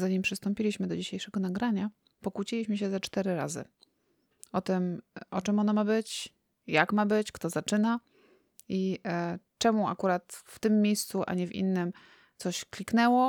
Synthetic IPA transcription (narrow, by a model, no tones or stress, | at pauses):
zaɲimpʂɘst̪ɔmpʲilʲiɕmɘd̪ɔd͡ʑiɕejʂɛɡɔnaɡɾaɲa | pɔkut͡ɕilʲiɕmɘɕ̬ɛzat͡ʂt̪ɛɾɘɾa̰zɘ̰ | ɔt̪ɘmʔɔt͡ʂɛmɔnamabɘt͡ɕ | jakmabɘt͡ɕkt̪ɔzat͡ʂɘna | i | t͡ʂɛmua̰kuɾat̪ft̪ɘmːʲejst̪suʔa̰ɲɛvʲḭnːɘm | t̪sɔɕklʲiknɛwɔ